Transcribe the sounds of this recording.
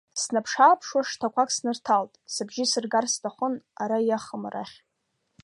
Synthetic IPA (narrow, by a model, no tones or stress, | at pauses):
snapʰʂaːpʰʂwaʂtʰakʷakʼsnɨrtʰaltʼsɨbʒɪsɨrɡarstʰaχʷʊnaɾajaχəmra̰χʲ